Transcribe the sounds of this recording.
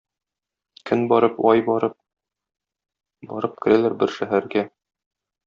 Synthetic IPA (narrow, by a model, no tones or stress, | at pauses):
kʰɘnbɒɾɤpɒjbɒɾɤp̚ | bɒ̰ɾɤp̚kɘ̆ɾælæɾbɘɾʃæɦæɾɡæ